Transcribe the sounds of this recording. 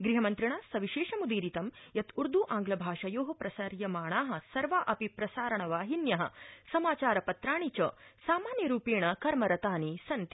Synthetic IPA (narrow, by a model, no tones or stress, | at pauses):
ɡɾiɦɐmɐnt̪ɾiɳaːsɐʋiʃeːʃɐmud̪iːɾit̪ɐmjɐt̪ʰuɾd̪ʱuʔaːŋɡlɐbʱaːʂɐjoːɦɐpɾɐsɐɾjɐmaːɳaːɦɐ̆sɐɾʋaʔɐpipɾɐsaːɾɐɳɐʋaːɦinjɐɦɐ̰sɐmaːt͡ʃaːɾɐpɐt̪ɾaːɳit͡ʃɐsaːmaːnjɐɾuːpeːɳɐkɐɾmɐɾɐt̪aːnisɐnt̪i̥